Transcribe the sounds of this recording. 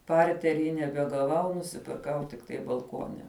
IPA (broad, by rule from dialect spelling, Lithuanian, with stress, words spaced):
ˈpɐrʲtʲɛrʲiː nʲɛbʲɛɡɐˈʋɐʊ nʊsʲɪpʲɪrˈkɐʊ tʲɪkˈtɐɪ bɐlˠˈkuɔnʲɛ